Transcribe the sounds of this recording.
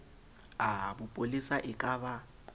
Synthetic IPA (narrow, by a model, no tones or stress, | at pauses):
abʊpʼolisaʔɪkʼaːβa